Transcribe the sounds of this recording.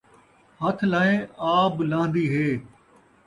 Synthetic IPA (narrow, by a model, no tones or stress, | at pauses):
hət̪ʰlaːẽaːblãːnd̪iːɦeː